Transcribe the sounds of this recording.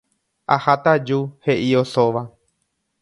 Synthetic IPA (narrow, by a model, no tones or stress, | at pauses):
ahat̪ad͡ʒuhe̞ʔio̞soʋa